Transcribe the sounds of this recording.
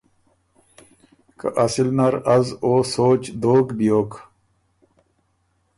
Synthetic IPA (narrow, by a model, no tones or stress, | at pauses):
kɐ̰ʔɐsilnɐɾɐzoːsoːt͡ɕd̪oːkbijoːk